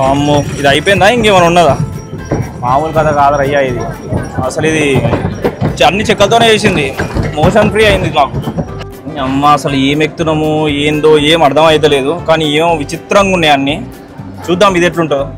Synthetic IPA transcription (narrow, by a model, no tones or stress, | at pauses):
ɐmːuid̪iɐjipoːjind̪aːiŋkeːmɐnunːɐd̪aː | maːmulkɐd̪aːkaːd̪ɐɾɐjːaːjid̪i | ɐsɐlid̪i | t͡ʃɐnːit͡ʃɛkːɐlt̪̬oːneːejsind̪imoːʃɐnpɾiːɐjind̪id̪inaːku | ɐmːaɐsɐlue̞ːmek̚t̪unɐmueːnd̪o̞ːeːmɐɽd̪ʱɐmɐjt̪̬ɐle̞ːd̪ukaːniːeːmʋit͡ʃit̪ɾɐŋɡunːeːɐnːi | t͡ʃuːd̪ːaːmid̪eʈ̬luɳʈud̪u